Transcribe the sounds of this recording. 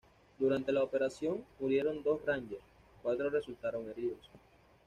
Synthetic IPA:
d̪uɾant̪e̞laope̞ɾasjo̞ŋmuɾje̞ɾo̞nd̪o̞sraɲd͡ʒeɾs | kwat̪ɾore̞sult̪aɾo̞ŋe̞ɾiðo̞s

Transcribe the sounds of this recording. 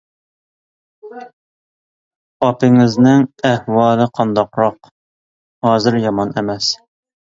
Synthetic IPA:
ɑpɪŋɪznɪŋæhwɑːlˠɨqʰɑnd̪ɑqɾɑq | hɑːzɨɾjɑmɑnemɛs

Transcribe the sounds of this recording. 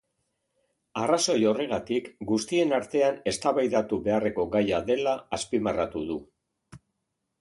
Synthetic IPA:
araso̞jo̞re̞ɣ̞at̪ikɡust̪ie̞naɾt̪e̞ane̞st̪aβajðat̪uβe̞are̞ko̞ɡajaðe̞laːspimarat̪uðu

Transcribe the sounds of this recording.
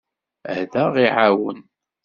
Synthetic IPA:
æhðæʁiʕawən

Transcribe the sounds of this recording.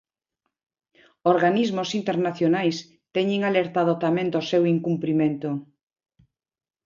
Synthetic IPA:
oɾɣanizmosint̪eɾnaθjonajs | t̪ɛɲeŋaleɾt̪aðot̪amẽnd̪osewiŋkumpɾimẽnt̪o

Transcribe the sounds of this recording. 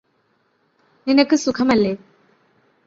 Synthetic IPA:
ninɐkːɨsukʰɐmɐlːeː

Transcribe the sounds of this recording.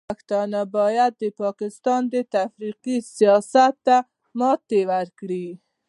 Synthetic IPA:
axt̪ɑnabɑjad̪̚ːəpɑkɪst̪ɑnd̪ət̪afɾiqisijɑsat̪ːa | mɑt̪ːewaɾkɽi

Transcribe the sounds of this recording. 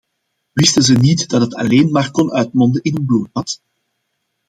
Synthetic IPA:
wɪstənzənitd̥ɑtɦətʰɑ̰leːnmaːrkɔnʔœɥtmɔndənɪnənbluːt̚ɑt

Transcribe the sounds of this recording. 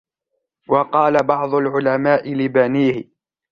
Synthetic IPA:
wɑqɑːlabɑʕd̪ˤʊlʕʊlamaːʔɪlɪbaniːhɪ

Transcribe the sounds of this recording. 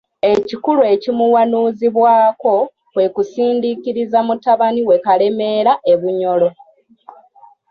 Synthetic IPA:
e̞cikulue̞cimuwanuːziβwaːko̞ | βwe̞kusiːndikiɾizamutaβaniwe̞kale̞me̞ːɾaʔe̞βuɲo̞lo̞

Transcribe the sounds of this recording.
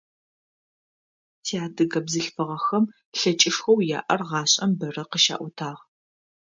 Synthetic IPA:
tʰiaːdɨɣɐbzɨɬfɨʁɐxɐm | ɬɐt͡ʃʼɪʂxɐwja̰ːʔɐrʁɑːɕʼɐmbɐrɐqəʃa̰ːʔʷʊtʰaːʁ

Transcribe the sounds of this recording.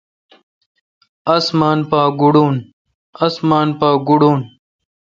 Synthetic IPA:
ɐsmaːnpaːɡuɽuːn | ɐsmaːnpaːɡuɽuːn

